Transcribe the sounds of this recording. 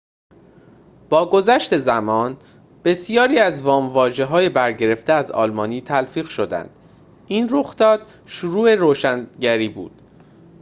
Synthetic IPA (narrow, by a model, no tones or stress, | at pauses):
b̥ɒːɡo̞zæʃt̪e̞zæmɒːn | b̥e̞sijɒːɾiːæzvɒːmvɒːʒe̞ɦɒːje̞bæɾɟe̞ɾe̞ft̪eæzɒ̰ːlmɒːniːt̪ʰælfiːɣʃo̞d̪æ̰nd̪̥ | inroxd̪̥ɒːd̪̥ | ʃuɾuːe̞ɾoːʃænɟæɾiːbṵːd̪̥